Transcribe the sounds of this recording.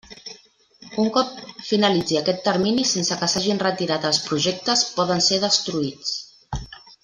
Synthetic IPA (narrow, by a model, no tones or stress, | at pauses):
uŋkɔp̚finəlid͡ziəkɛt̪ːəɾminisensəkəsaʒinrət̪iɾat̪əlˠspɾuʒɛk̚t̪əspɔðənseð̞əst̪ɾuit͡s